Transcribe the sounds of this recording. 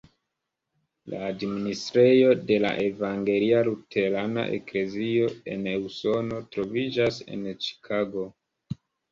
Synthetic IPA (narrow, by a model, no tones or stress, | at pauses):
la̰ːdministɾe̞jo̞de̞la̰ʔe̞vaŋɡe̞lialutʰe̞ɾana̰ʔe̞̰kle̞zio̞e̞̰neuso̞no̞tɾo̞vid͡ʒase̞̰nt͡ʃi̥kʰaɡo̞